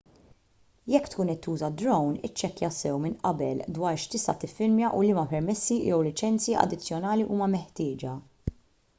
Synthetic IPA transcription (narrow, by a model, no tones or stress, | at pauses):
jɛkːt̪kuːnɛt̪ːuːzɐd̪ɾɔwnɪ̰t͡ʃːɛkːjɐsɛwmɪnʔɐ̰bɛld̪wɐːɾʃt̪ɪst̪ɐt̪ɪfːɪlmjɐʔʊlɪmɐpɛɾmɛsːijɛwlɪt͡ʃɛnt͡siʔɐ̰d̪ɪt͡sːjɔnɐːliʔuːmɐmɛħt̪ɪːd͡ʒɐ